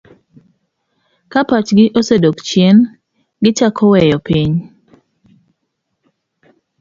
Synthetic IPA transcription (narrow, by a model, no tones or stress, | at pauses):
kapat͡ʃɡɪʔosedokt͡ʃjɛn | ɡɪt͡ʃakʰɔwɛjɔpiɲ